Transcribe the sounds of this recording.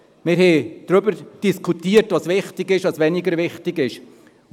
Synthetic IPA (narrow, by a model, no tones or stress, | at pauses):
mɪɾhɛd̥ɾʏbəɾd̥iskʰutiːəɾtvɑsvɪχtɪɡɪʃɑsʋɛnɪɡəɾvɪχtɪɡɪʃ